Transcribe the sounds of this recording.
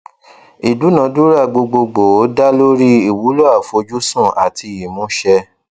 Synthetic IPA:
i˨du˨˦nã˨˦du˦ɾa˦˨ɡ͡bo˧ɡ͡bo˧ɡ͡bo˨˦da˦lo˦ɾi˦i˨wu˨˦lo˦a˦˨fo˧d͡ʒu˦sũ˦˨a̰˨tʰi˧ji˨mɔ̃˨˦ʃɛ˧

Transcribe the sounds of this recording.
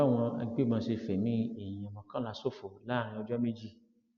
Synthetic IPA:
a˦˨w̃ɔ̃˧a̰˧ɡ͡be˦˨mãː˧se˧fɛ˨mĩ˨˦ẽ˨ã˨mɔ̃˨kã˦la˨so˦˨fo˨la˨˦˨ɾ̃ĩ˧ɔ˧d͡ʒɔ˦mẽ˦d͡ʒi˦˨

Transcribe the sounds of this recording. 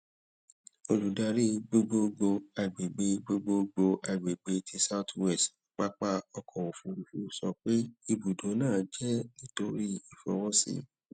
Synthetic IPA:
o˧ɾu˨da˧ɾi˦ɡ͡bo˧ɡ͡bo˧ɡ͡bo˧a˧˨ɡ͡be˨ɡ͡be˧ɡ͡bo˧ɡ͡bo˧ɡ͡bo˧ʔa˧˨ɡ͡be˨ɡ͡be˧tʰi˧sa˦˨twɛ˦˨stk͡pa˦k͡pa˦ɔ˧kʰɔ̃˨wo˨fũ˧ɾu˨fu˦sɔ˧k͡pe˦i˧bu˨dõ˨˦nãː˦˨˦d͡ʒɛ˦nĩ˦to˦ɾi˦i˨fɔ̰˨˧˦wɔ̃˦sḭ˧˨

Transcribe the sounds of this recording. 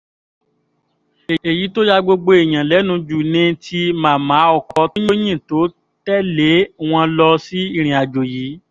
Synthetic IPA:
e˨e˨ji˨˦to˦ja˦ɡ͡bo˧ɡ͡bo˧e˨j̃ã˨lɛ˨˦nũ˨˧˦d͡ʒu˨nĩ˧tʰi˧mã˨˦˨mã˨˦ɔ˧kɔ˧tĩ˦jo˦jĩ˦˨to˨˦ | tɛ˦le˨˦w̃ɔ̃˧lɔ˧si˦i˦˧˨ɾ̃ĩ˨a˨d͡ʒo˨jiː˨˦

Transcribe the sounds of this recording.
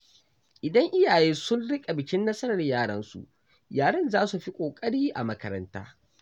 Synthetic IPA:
ʔɪ˨dɐ˦ŋʔɪ˦jaː˨jeː˦sʊ˦nɽɪ˦kʼa˨bɪ˨kʲɪ˦nːɐ˦sɐ˦ɾɐ˨rjaː˦˨ɽɐ˦nsṵ˨ʔ | jaː˨ɽɐ˦nzaː˦su˨ɸi˦kʷʼoː˨kʼɐ˦ɽiː˦ʔa̰˨mɐ˦kɐ˦ɾɐ˦nta̰ː˦

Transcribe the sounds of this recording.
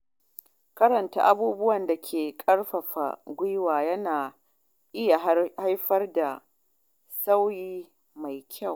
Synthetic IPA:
kɐ˦ɾɐ˨nta̰ː˦ʔa˦buː˦bʊ˦wɐ˨nda˨kʲʰeː˨kʼɐ˦rɸɐ˨ɸa̰˨ɡʷɪ˦jwaː˨jɐ˦naː˨ | ʔɪ˦ja˨ha˦jɸɐ˦rda˨ | sa˦wjiː˦ | ma˨jkʲʰa˦˨w

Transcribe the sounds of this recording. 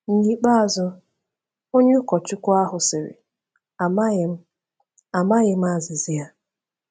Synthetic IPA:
ɲ̩˨ɲi˦k͡pa˦a˨zʊ˦ | o˦ɲʊ˦kɔ˨t͡ʃʊ˦kʷʊ˦a˦ɦʊ˨sɪ˨ɾɪ̰˨ | a˨m˦˨˦ | a˨ma˦ɣɪ˦m̩˦a˦zɪ˨zi˦a˦

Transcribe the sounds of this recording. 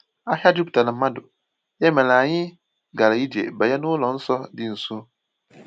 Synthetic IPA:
a˦ha˦du˦btʰa˨nɪ̃˨m˦mã˦dʊ˨ | jɛ˦mɛ̃˨lã˨ɲɪ̃˦ | ɡa˨la˨ji˦di˨ḛ˨bɛ˨jɛ˦nʊ̃˦wlɔ̃˨˦n̩˦sɔ˦dɪ˦n̩˨sũ˦

